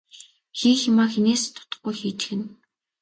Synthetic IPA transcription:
xiːxɪmaːxeneːst̪ʰːʊ̥t̪ə̆χɡujxiːt̪ɘ̥̆xɘ̆n

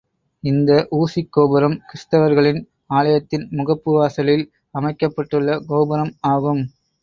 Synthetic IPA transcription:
ɪnd̪ɐʔuːsikːoːbɐɾɐmkɪst̪ɐʋɐɾɣɐɭɪn | aːɭɐjɐt̪ːɪnmʊɣɐpːɯʋaːsɐlɪl | ɐmɐɪkːɐpːɐʈːɯɭːɐɡoːbɐɾɐmaːɣɯm

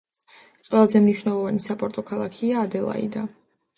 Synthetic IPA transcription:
qʼwɛlˠazɛmniʃwnɛlˠɔvanisapʼɔɾt̪ʼɔkʰalˠakʰiaːd̪ɛlˠa̰ḭd̪a

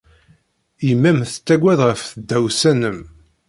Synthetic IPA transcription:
imːæmθə̥t͡sːæɡʷæðʁəfθəd̪ːæwsænəm

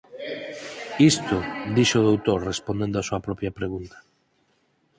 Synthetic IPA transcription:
ist̪ʊd̪iʃoðowt̪oɾrespond̪ẽnd̪oasuɐpɾɔpjɐpɾeɣ̞unt̪ḁ

